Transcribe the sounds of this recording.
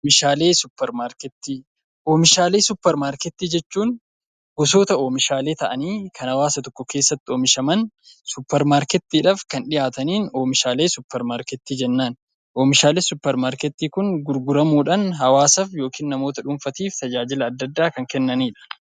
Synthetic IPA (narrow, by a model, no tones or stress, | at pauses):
mɪʃaːle̞ːsʊpːɛɾmaːɾkɛt̪ːiː | ʔoːmɪʃaːleːsʊpːɛɾmaːɾkɛt̪ːiːd͡ʒɛt͡ʃːuːn | ɡ̥ɔso̞ːt̪ɐoːmɪʃaːle̞ːt̪ɐʔɐniːkʰɐnhɐwaːsɐt̪ɔkːɔke̞ːsːɐt̪ːɪo̞ːmɪʃɐmɐn | sʊpːɛɾmaːɾkɛt̪ːiːᶑɐafkɐnᶑɪjaːt̪ɐniːno̞ːmɪʃaːle̞ːsʊpːɛɾmaːɾkɛt̪ːiːd͡ʒɛnːaːn | ʔoːmɪʃaːleːsʊpːɛɾmaːɾkɛt̪ːiːkʊnɡʊɾɡʊɾɐmuːᶑɐnɦɐwaːsɐfjo̞ːkiːnnɐmo̞ːt̪ɐᶑʊmfɐt̪iːft̪ɐd͡ʒaːd͡ʒɪlɐːd̪ːɐd̪ːaːkɐŋkɛnːɐniːᶑɐ̥